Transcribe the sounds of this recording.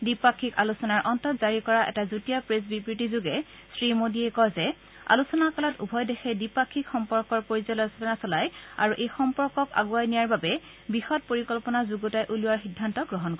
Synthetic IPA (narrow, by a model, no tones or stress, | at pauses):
dipakʰːikalusɔnaɹʔɔntɔtz̥aɹikɔɹaʔɛ̰tazutijapɹesbipɹitizuɡɛ | sɹimodiɛkɔjzɛ | a̰lusɔnakɔlɔtṵbʱɔjdɛxɛdipakʰːikxɔmpɔɹkɔɹpoɹizɔlɔjstɔnasɔlaja̰ɹuʔejxɔmpɔɹkɔka̰ɡuajnijaɹbabɛ | bixɔt̚poɹikɔlpɔnazuɡotajʔuluwaɹxidʱːantɔɡɹɔɦɔnkɔ